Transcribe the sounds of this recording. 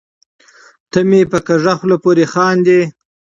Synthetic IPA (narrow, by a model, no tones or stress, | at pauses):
t̪əmepəkaʐaxlopoɾexɑːnd̪e